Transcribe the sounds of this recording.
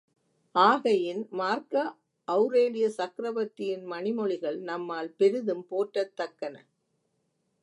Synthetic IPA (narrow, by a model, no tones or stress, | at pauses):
ʔaːɣɐjɪnmaːɾkɐ | ʔɐʊɾeːlɪjɐsɐkɾɐʋɐt̪ːɪjɪnmɐnɪmɔɭɪɣɐɭnɐmːaːlpɛɾɯðɯmpoːʈːɐt̪ːɐkːɐnɐ̰